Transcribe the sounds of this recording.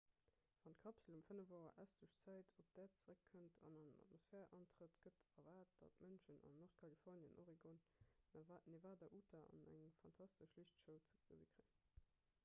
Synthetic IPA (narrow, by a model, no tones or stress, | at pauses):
v̥ɑnt̚kʰɑpsəlumfənəvaʊɐ̰ʔæsd̥uəʃt͡sæɪtʰop̚d̥æːɐt͡səʁəkʰːəntʰɑ̰nɑnənɑ̰t̚mosfɛːʁʔɑntʁ̥ətɡ̥ətɐvaːt̚d̥ɑ̰tmənʃənɑ̰nːoʁtkʰɑlifɔʁnjənʔoʁiɡon | nevaːdɐʔutʰɐɑ̰næ̰ŋfɑntʰɑstəʃliʃtʃəʊt͡sə̥əzikʁi